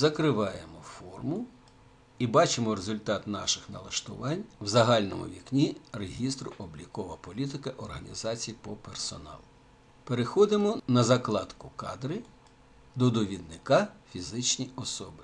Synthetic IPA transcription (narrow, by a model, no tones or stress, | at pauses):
zɐkɾɪʋɑjemɔfɔrmʊ | ibɑt͡ʃɪmɔɾezʊlʲt̪ɑt̪nɑʃɪxnɐ̰lˠɐʃt̪ʊ̰ʋɑnʲwzɐɦɑlʲnɔ̰mʊ̰ʋʲiknʲireɦʲist̪ɾʊʔɔblʲikɔʋɐpɔlʲit̪ɪkɐʔɔrɦɐnʲḭzɑt͡sʲijipɔpersɔ̰nɑ̰lˠʊ | peɾexɔd̪ɪmɔnɐzɐklˠɑt̪kʊkɑ̰d̪ɾɪ | d̪ɔd̪ɔʋʲid̪nɪkɑfʲizɪt͡ʃnʲiɔsɔbɪ